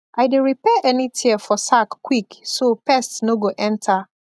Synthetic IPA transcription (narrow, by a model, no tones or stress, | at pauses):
ʔaɪdeɹipɛʔɛnitʰiəfɔsakːwiksopɛstnoɡoʔɛ̃ntʰa